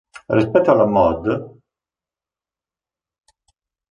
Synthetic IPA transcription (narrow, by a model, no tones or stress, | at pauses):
rispɛt̪ːoalamɔd̪